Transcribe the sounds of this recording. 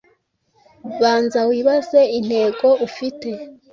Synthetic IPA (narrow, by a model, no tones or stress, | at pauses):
βaːnzawiːβaze̞in̥he̞ːɡo̞ufite̞